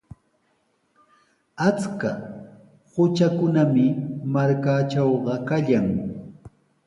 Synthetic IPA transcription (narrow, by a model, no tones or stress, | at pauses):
at͡ska | hʊt͡ʃakʊnamɪmaɾkat͡ʃawɢɑkaʎaŋ